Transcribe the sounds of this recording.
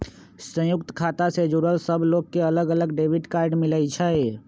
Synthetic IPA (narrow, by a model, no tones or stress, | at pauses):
sə̃jʊkt̪kʰaːt̪ased͡ʒuɾəlsəbʱloːɡ̚keɐləɡələɡɖeːʋɪʈkaːɾɖmɪləit͡ʃʰəe